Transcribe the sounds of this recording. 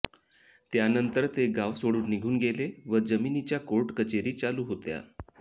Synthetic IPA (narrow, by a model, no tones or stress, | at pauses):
t̪janənt̪əɾt̪eɡaʋsoɽuːnːiɡʱuːnɡeleʋəd͡zəminit͡ɕjakoɾʈkət͡ɕeɾiːt͡saluːɦot̪ja̰